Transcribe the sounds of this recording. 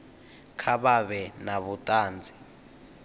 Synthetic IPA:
kʰaɓaβɛnaβutʼaːnd͡zʱi̥

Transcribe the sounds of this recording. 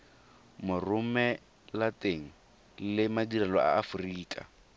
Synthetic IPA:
mʊrʊmɛ | latʼeŋ̩ | lɪmadiralɔʔa̰ːfʊriːkʼa̰

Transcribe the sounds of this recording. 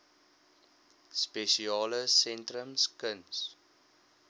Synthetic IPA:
speʃiɑːləsɛntɾəmskəns

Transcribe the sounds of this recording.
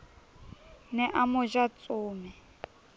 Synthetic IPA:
nɛʔamʊʒat͡sʼoːmɛ

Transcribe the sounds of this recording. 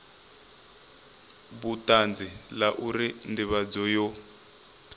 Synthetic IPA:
βutand͡zilaʔuɾindiβad͡zɔjɔ

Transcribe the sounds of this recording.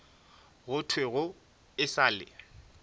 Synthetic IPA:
ɣʊtʰweɣʊ | ɪsaːlɪ̰

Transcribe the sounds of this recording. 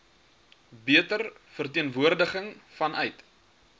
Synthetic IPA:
biətərfərtiənvuərdəχəŋfɐnœɥt

